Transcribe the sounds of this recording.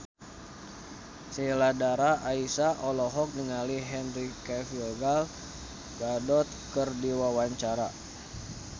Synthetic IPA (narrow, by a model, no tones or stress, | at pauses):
seladaɾaʔaisaʔɔlɔɦɔk̚nəŋaliɦɛnrikafilɡal | ɡadɔt̪̚kərdiwawaɲt͡ʃaɾa